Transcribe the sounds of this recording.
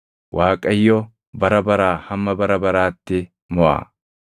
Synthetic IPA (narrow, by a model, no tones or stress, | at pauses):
wʔaːkʼːɐjːɔ | bɐɾɐbɐɾaːhɐmːɐbɐɾɐbɐɾaːt̪ːɪ | mɔʔa̰ː